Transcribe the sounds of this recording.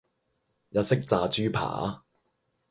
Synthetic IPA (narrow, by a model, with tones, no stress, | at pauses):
jɐ˧sɪ˥k̚t͡saː˨t͡ʃyː˥pʰa̰ː˨˦